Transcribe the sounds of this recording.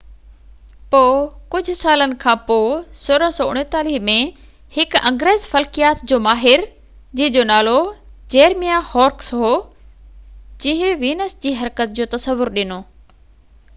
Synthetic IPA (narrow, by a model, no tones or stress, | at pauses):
poːkʊd͡ʑʱʊ̆saːlənɪ̆kʰãːpoːsʊːɾə̃sɔːʊɽ̃t̪aːliɦmẽ | hɪkɐ̃ŋɡɾeːzfɐlkijaːt̪d͡ʑoːmaːɦɪɾ | d͡ʑiɦɪ̃d͡ʑoːnaːlod͡ʑeːɾmijahɔːɾksɦoː | d͡ʑĩɦeʋiːnəsd͡ʑiːɦɐɾkət̪̚d͡ʑoːt̪ɐsəʋːʊɾɗɪnoː